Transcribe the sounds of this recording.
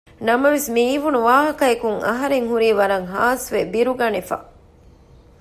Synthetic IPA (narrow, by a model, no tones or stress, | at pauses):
nɐmɐʋesmiːʋunuʋaːɦɐkɐekuŋɐ̰ɦɐɾeŋɦuɾiːʋɐɾɐŋɦaːsʋebiɾuɡɐnefɐ̰